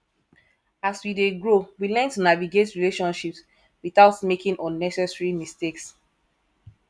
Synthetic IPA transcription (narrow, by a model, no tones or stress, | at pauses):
aswideɡɹowilɛ̃ntunaviɡetɹileʃɔ̃nʃips | wiθaʊtmekĩŋʔɔ̃nːɛsɛsɹimisteks